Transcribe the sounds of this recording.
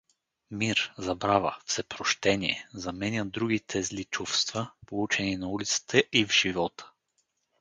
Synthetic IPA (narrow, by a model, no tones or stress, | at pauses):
miɾzɐbɾavəfsɛpɾoʃt̪ɛniɛ̰zɐmɛnʲəd̪ɾuɡit̪ʰɛzlit͡ʃufst̪vəpolˠut͡ʃɛninɐulit̪sə̥t̪ʰəʔivʒ̥ivɔt̪ʰə̥